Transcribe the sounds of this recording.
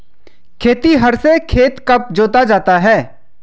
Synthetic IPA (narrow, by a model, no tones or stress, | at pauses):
kʰeːt̪iɦɐɾsekʰeːt̪kɐp̚d͡ʒoːt̪ad͡ʒaːt̪aɦɛː